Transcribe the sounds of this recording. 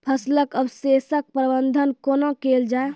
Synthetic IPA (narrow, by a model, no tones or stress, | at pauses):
pʰəsləkəbsesək̚pɾəbənd̪ʱənkoːnokeːld͡ʒae